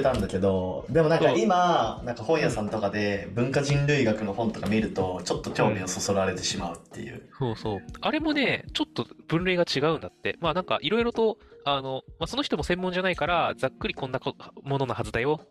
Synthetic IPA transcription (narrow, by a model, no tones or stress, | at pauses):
t̪ãnd̪ake̞d̪o̞d̪e̞monãŋkaimanãŋkahõ̞ɰ̃jasãnt̪o̞kad̪e̞bɯ̟̃ŋkaʑĩnɾɯ̟iɡakɯ̟no̞hõ̞nt̪o̞kamʲiɾɯ̟t̪o̞t͡ɕo̞t̪ːo̞kʲo̞ːmʲio̞so̞so̞ɾaɾe̞t̪e̞ɕimaɯ̟t̪ːe̞̰jɯ̟̰ːso̞ːso̞ːaɾe̞mo̞ne̞t͡ɕo̞t̪ːob̥ɯ̟̃nɾe̞ːɡat͡ɕiɡaɯ̟̃nd̪at̪ːe̞̰manãŋka̰ʔiɾo̞iɾo̞t̪o̞ano̞maso̞no̞çi̥t̪o̞mo̞sẽ̞mːõ̞ɲ̟d͡ʑanaikaɾad͡zakːɯ̟ɾʲikõ̞nːakomo̞no̞nahazɨd̪ajo